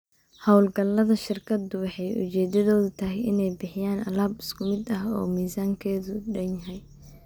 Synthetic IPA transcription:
hɔwlɡɐlːɐðɐʃɪrkʰɐd̪ʊwɑħɑjʔʊ̰t͡ʃɛːd̪ɐðɔːðʊt̪ʰɐɦɛjɪnɛjbɪħɪjaːnɐ̰laːbɪskʰʊmɪd̪ɐɦɔ̰ːmiːsaːŋkʰɛːðʊɖɐnjɐɦɛj

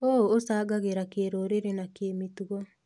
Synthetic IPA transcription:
oosaːɡaɣeɾakeɾoɾeɾenakeːmituɣɔ

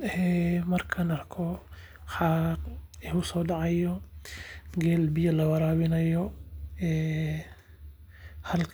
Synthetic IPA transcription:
ɛːmɐrkʰɐnɐrkʰɔ | ħaːqɛʊsɔːɖɑʕɑjɔ | ɡɛːlbɪjɐlɐwɐɾaːβɪnɐjɔɛː | hɐlkʰ

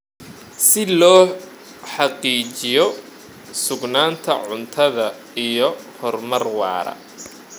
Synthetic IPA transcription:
sɪlɔː | ħɑqiːt͡ʃɪjɔ | sʊɡnaːnt̪ʰɐ̰ʕʊnt̪ʰɐðɐ | ijɔhɔrmɐrwɑ̰ːɾɐ̰

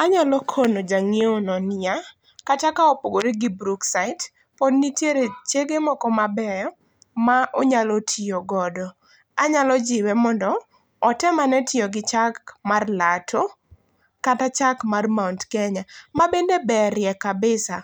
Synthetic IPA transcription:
aɲalɔkʰonod͡ʒaŋjeonɔna | katakaɔpoɡoɾeɡibɾuksaɪt | podnitjeɾet͡ʃeɡemɔkɔmabɛjɔ | maʔɔɲalotʰɪoɡɔdɔ | aɲalɔd͡ʒɪwɛmɔndɔː | tɛmanɛtʰɪɔɡɪt͡ʃakmarlatʰo | katat͡ʃakmarmawntkɛɲamabendebɛɾjɛkabɪsa̰

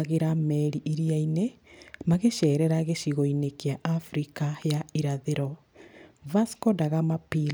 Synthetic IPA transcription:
ɣeɾamɛɾiʔiɾiainemaɣeʃɛːɾɛɾaɣeʃiɣoinekeaʔafɾikajaiɾaðeɾɔ | vaskɔdaɣamapi

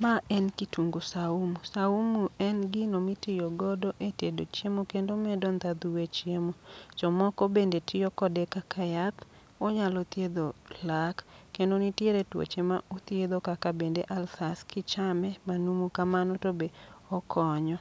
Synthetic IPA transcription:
maɛnkituŋɡusaumusaumuɛnɡɪnomitɪjoɡɔdoʔetedot͡ʃemokendomɛdɔnd̪ad̪uwet͡ʃjemot͡ʃɔmɔkɔbendetʰɪjɔkɔdekakʰajat | ɔɲalɔt̪jed̪olakkːendonitjeɾetwo̰t͡ʃemaot̪jed̪okakabendeʔalfaskɪt͡ʃamɛmanumukamanɔtobeɔkʰɔɲɔ

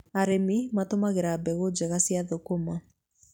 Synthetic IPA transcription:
aɾemimatomaɣeɾabɛɣod͡ʑɛɣasijaðokoma

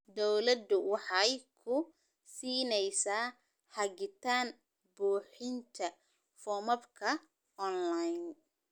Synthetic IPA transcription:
d̪ɔwlɐd̪ʊwɑħɑjkʰʊ | siːnɛjsaː | ħɑɡɪt̪ʰaːn | buːħɪnt̪ʰɐ | fɔːmɐbkʰɐ | ɔnlajn

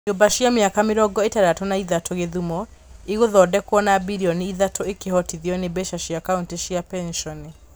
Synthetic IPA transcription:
obaɕjameakameɾɔɡɔetaɾatɔnaiðatʰoɣeðumɔ | eɣoðɔdɛkwɔnabiɾiɔniiðatʰɔekehɔtiðiɔnebɛʃaɕiakaunteɕjapɛnʃɔne

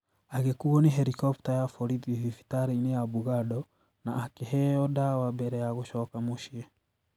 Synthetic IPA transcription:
aɣekuɔniɦɛɾikɔptajafɔɾidivifi̥taɾeinejabuɣadɔ | naːkeɦɛɔdawabɛɾɛjaɣoʃɔkamoʃiɛ

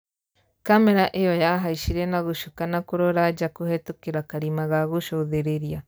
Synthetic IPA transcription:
kameɾaʔejɔjaɦaiʃiɾenaɣuʃokanakuɾoɾad͡ʒakuhɛtokeɾakaɾimaɣaɣuʃoðeɾeɾia

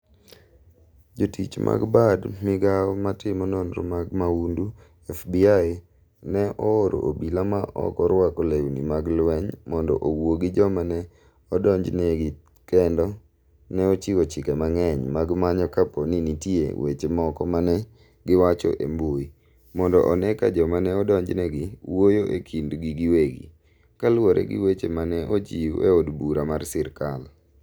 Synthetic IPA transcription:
d͡ʒotit͡ʃmʔa̰ɡbadmɪɡaɔmatɪmɔnɔnɾo̰maɡmaundu | ɛfbia | nɛʔɔoɾʔo̰ʔobilamaʔɔ̰kɔɾwakolewnḭmaɡlwɛɲmɔndɔ̰ʔowoɡɪd͡ʒɔmanɛ | ɔdɔɲd͡ʒneɡɪ | kɛndɔ | nɛɔt͡ʃiɡot͡ʃɪkɛmaŋɛɲmaɡmaɲɔkaponinitjḛwet͡ʃemɔkɔmanɛ | ɡɪwat͡ʃɔ̰ʔemboi | mɔndɔ̰ʔɔnɛka̰d͡ʒɔmanɛɔdɔɲd͡ʒnɛɡɪwojoʔḛkʰindɡiɡɪweɡḭ | kalwoɾʔɛ̰ɡɪ̰wet͡ʃemanɛʔod͡ʒiḛodbuɾamarsɪɾkal

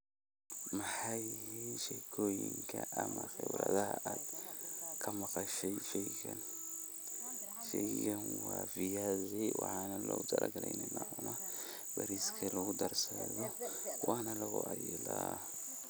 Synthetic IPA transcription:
mɐħɑjinʃɛjkʰɔːjɪŋkʰɐʔɐmɐxɛwɾɐðɐɦɐʔaːd̪kʰɐmɑqɑʃɛjfɛjɣɐn | fɛɣɐnwɑːfɪjazɛwɑħɑːnɐlɔt̪ʰɐlɐɡɐlɛjnɛnaʔʊnɐb̥ɐɾiːskʰɐlɐɣʊd̪ɐrsɐðɔwɑːnɐlɐɣʊʔɑjɛlaː

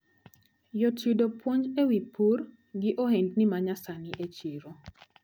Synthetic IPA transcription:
jotudopwoɲd͡ʒewipʰur | ɡɪʔohendnɪmaɲasanɪʔet͡ʃiɾo

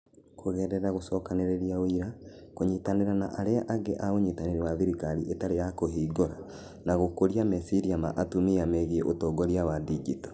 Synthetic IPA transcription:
kʰoɣɛɾɛɾaɣosɔːkaneɾeɾiawiɾakoɲitaneɾanaʔaɾeaʔaɡeʔaoɲetaneɾewaðiɾikaɾiʔetaɾejakoɦiːɡoɾa̰ | naɣokoɾiamɛsiɾiama̰ʔatumiamɛɣiɛʔotɔːɡɔɾjawadiɡitɔ̥

